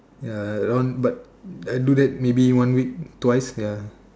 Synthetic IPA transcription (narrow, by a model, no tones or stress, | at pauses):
jadɔ̃nbat̚ | ajdudɛt̚mebiwãnwik̚twajsja